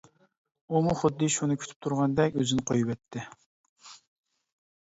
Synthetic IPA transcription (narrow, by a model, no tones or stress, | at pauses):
umuχʊd̪ːɨʃunɨkʲʰy̥t̪ʰy̥p̚t̪ʰuɾʁɑnd̪ɛkʲø̰zɪnɪqʰojuwɛt̪ʰːɪ